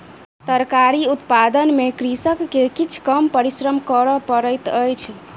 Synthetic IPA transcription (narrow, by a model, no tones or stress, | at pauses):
t̪əɾkaɾiut̪pad̪ənmekɾisəkːekit͡ʃʰkəmpəɾisɾəmkəɾɔpəɾəjt̪əjt͡ʃʰ